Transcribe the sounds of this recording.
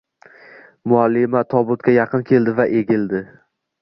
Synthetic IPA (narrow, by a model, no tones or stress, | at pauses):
mʊalːɪmat̪ʰɒbʊt̪̚kʲʰajɑqʰɨnkʲʰe̞ld̪ɪvaʔe̞ɡʲɪld̪ɪ